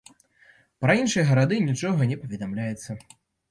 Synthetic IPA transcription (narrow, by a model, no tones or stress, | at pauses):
pɾɐinʂɨjɐɣɐɾad̪ɨnʲit͡ʂɔɣɐnʲɛpɐvʲɛd̪amlʲajɛt̪sːɐ